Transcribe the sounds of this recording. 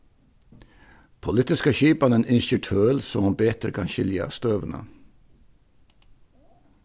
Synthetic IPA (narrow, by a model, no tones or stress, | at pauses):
pʰʊlɪt̪ɪskəçiːpɑnənɪnçyːʈʰøːlsɔmɑmbeːt̪ɾə̰kʰɑnçɪljɑ̰st̪øːʋənə̰